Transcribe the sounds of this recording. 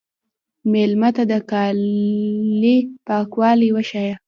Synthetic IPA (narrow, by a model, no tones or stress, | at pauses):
melmat̪ad̪əkɑ | lipɑkwɑliwəʃɑja